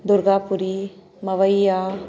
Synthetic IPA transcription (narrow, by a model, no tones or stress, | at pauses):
d̪ʊɾɡapuɾi | mɐʋəja